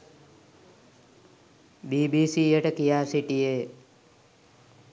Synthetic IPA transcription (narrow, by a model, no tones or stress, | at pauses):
biːbiːsiːeʈəkijaːsiʈije